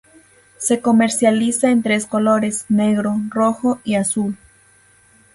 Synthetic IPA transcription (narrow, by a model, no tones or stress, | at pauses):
se̞ko̞me̞ɾsjalisae̞nt̪ɾe̞sko̞lo̞ɾe̞sneɣɾo̞roxoiasul